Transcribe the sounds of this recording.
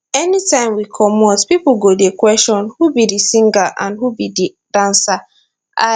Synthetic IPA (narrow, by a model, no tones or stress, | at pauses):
ɛnitãɪ̃mwikʰɔmotpipoɡodekwɛstɔ̃nhubidisĩŋɡaʔã̰nhubidi | d̥ãnsa | a̰